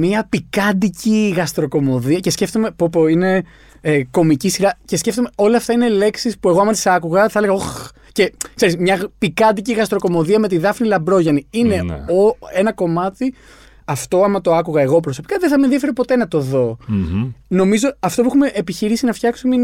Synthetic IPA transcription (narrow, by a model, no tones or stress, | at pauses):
miɐpikɐd̪iciɣɐst̪ɾo̞ko̞mo̞ðiɐce̞sce̞ft̪ome̞popoine | ko̞micisiɾɐce̞sce̞ft̪ome̞o̞lɐːft̪ɐinele̞ksispue̞ɣoɐmɐt̪i̥sɐkuɣɐθeleɣɐox | ce̞kse̞ɾizmɲɐpikɐnd̪iciɣɐst̪ɾo̞ko̞mo̞ðiɐme̞t̪iðɐfinilɐbɾo̞ʝɐniine̞̰oe̞nɐko̞mɐt̪i | ɐft̪o̞ɐmɐt̪o̞ɐkuɣɐeɣo̞pɾoso̞pi̥kɐðeθɐmenðiefeɾepo̞t̪e̞nɐt̪o̞ðo̞ | no̞mizoɐft̪opuexume̞ʔepiçiɾisinɐfçɐksumen